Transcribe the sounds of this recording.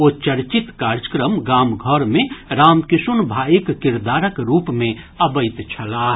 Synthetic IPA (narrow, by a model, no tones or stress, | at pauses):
ot͡ʃɐɾt͡ʃit̪kaːɾd͡ʒəkɾəmɡaːmɡʱɔɾmẽɾaːmkɪʃunbʱaːikːɪɾd̪aːɾəkɾuːpmẽ | ɐbəɪt̪t͡ʃʰɐlaːɦ